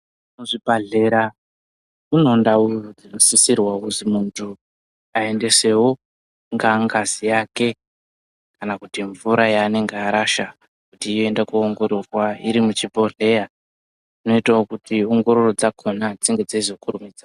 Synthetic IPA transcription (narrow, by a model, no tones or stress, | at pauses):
noʐibaɮe̞ɾa | uno̞ndaud͡zinosisirwauzimuntʰu | ae̞nde̞se̞wo | ŋɡaŋɡazijake̞ | kanakutiɱvuɾajaːne̞ŋɡeaɾaʃa | kutiːjoe̞ndakuːŋɡo̞ɾo̞rwaiɾimut͡ʃibo̞ɮe̞ja | d͡zino̞itaokutio̞ŋɡo̞ɾo̞ro̞d͡zakʰo̞nad͡ziŋɡe̞d͡zaizo̞kuɾumid͡za